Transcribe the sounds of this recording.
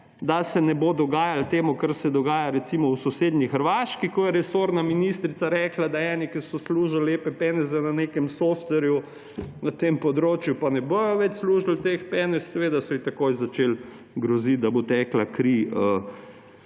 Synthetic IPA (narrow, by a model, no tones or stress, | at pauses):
d̪asɛnɛbod̪ɔɡaːjalt̪eːmukəɾsɛd̪ɔɡaːjaɾɛt̪simɔwsɔseːd̪nʲixəɾʋaːʃkikɔjɛɾɛsoɾnaminist̪ɾit̪saɾɛːklad̪aɛːnikisɔsluːʒaleːpɛpɛnɛzɛnanekɛmsoft̪ʋɛɾju | nat̪empɔd̪ɾoːt͡ʃjupanɛbojɔʋɛt͡ʃsluːʒalt̪expɛːnɛssɛʋeːd̪asɔit̪ɐkojzat͡ʃeːl | ɡɾɔzit̪̚d̪abot̪ɛːklakɾiə